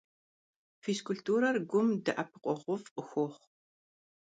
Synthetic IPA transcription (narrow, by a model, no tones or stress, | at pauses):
fiskʊɬtʰuːɾɐrɡʷʊmdɨʔɐpʰɨqʷʼɔʁʷʊfqəxʷoːχ